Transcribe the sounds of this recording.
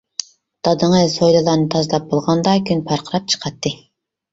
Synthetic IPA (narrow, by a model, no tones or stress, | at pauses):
d̪̥ɑd̪ɨɴəsojlˠɨlˠɑɾnɨt̪ʰɑzɨlˠɑp̚bolˠʁɑnd̪ɑkʲʰynpʰɑɾqʰəɾɑp̚t͡ʃʰə̥qʰɑt̪ːɨ